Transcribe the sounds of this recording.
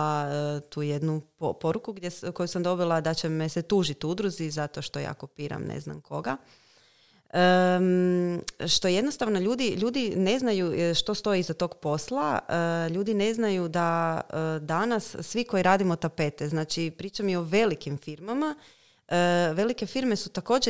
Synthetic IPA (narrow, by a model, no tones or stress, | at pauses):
at̪uːjed̪nupopo̞ɾukuɡd̪ʲjeko̞jusamd̪o̞bilˠad̪at͡ɕemeset̪uːʒit̪ud̪ɾuzizat̪o̞ʃt̪o̞ja̰ːkopiːɾa̰mnʔḛzna̰mkʰo̞ɡa | ə | ʃt̪o̞je̞d̪no̞st̪aʋno̞ʎuːd̪iʎuːd̪ine̞znajuʃt̪o̞st̪o̞izat̪o̞ɡpo̞slˠaəʎuːd̪ine̞znajud̪aəd̪anasːʋiko̞jiɾaːd̪imot̪ape̞t̪ɛznaːt͡ʃipɾiːt͡ʃamjio̞ʋe̞likimfiɾmama | ʋe̞like̞fiɾme̞sut̪ako̞ːd͡ʑe